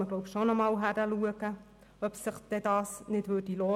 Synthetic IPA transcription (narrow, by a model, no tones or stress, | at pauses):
əɡlɔʊpʃonɔmɑːlɦæɾəluəɡə | œpsɪχd̥ɛdɑːsnɪdvʋøːd̥ilɔː